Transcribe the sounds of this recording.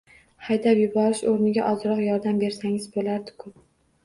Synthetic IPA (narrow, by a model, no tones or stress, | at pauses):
hajd̪apjʊbɒɾɪʃoɾnɪɡʲa̰ʔɒzɾɒqjɒɾd̪ambe̞ɾsaŋɪzbolaɾd̪ɪ̥kʰʊ